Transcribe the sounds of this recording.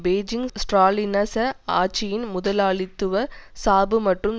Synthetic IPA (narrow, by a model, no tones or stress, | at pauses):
beːd͡ʒɪŋsʈraːlɪnɐsɐaːt͡ʃːɪjɪnmʊðɐlaːɭɪt̪ːɯʋɐsaːbɯmɐʈrɯm